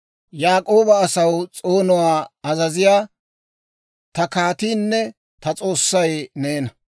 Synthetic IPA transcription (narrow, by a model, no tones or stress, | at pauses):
jaːkʼo̞ːbɐːsɐwt͡sʼo̞ːnʊwaːɐzɐzɪjaː | t̪ɐkaːt̪iːnːɛ | t̪ɐt͡sʼo̞ːsːɐjneːnɐ